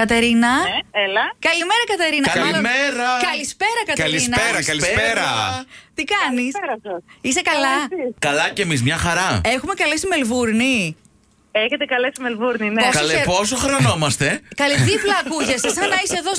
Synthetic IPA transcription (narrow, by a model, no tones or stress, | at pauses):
kɐt̪e̞ɾinɐelɐkɐlime̞ɾɐkɐt̪e̞ɾinɐɐlmɐilmeɾɐkɐlispe̞ɾɐkɐt̪ɐleiisnɐeɾɐskɐlispeɾɐt̪ikɐnisɾɐsisekɐlɐkɐlɐcemizmɲɐxɐɾɐexumekɐlesimelvuɾni | eçet̪ekɐlesimelvuɾninoleeposoxɾɐno̞mɐst̪e̞kɐliðiplɐːkuʝɐsesɐnɐiseðo